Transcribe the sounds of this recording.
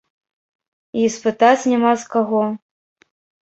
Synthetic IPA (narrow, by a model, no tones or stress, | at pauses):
ispɨt̪at͡sʲnʲamaskaɣɔ